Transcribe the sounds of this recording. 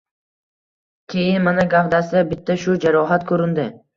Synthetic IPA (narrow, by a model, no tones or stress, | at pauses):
kʲʰejɪnmanaɡavd̪asɪbɪt̪ʰːaʃʊd͡ʒaɾɒɦat̪kʰɵɾɪnd̪ɪ